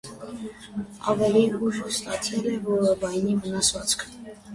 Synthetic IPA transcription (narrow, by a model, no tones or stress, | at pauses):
ɑvɛliuʒəst̪ɑt̪ʰilɛvɔɾəbɑjnimənɑsʰvɑt͡skʰ